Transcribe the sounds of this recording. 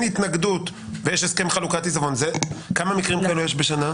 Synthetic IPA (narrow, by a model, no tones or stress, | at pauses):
nhit̪naɡd̪ut̪ | vejeʃeskemχalukat̪izavo̞nzekamamikʁimkaelujeʃbeʃana